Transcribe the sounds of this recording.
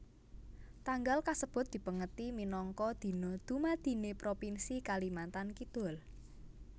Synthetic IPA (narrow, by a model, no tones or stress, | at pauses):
t̪aŋɡalkasəb̥ʊ̤t̪̚d̪̥i̤pəŋət̪iminɔŋkɔd̪̥i̤nɔd̪̥ṳmad̪̥i̤nepɾopinsikalimant̪ankid̪̥ʊ̤l